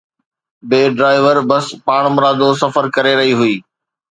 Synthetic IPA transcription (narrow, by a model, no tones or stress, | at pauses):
beːɖɾaːɪʋəɾbɐspaːɽ̃mʊɾaːd̪osɐfəɾkɐɾeɾɐɦiɦʊiː